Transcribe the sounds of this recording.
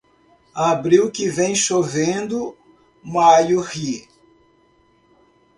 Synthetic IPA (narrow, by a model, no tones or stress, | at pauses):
abɾiwkɪvẽj̃ʃovẽnd̪ʊ | majʊhi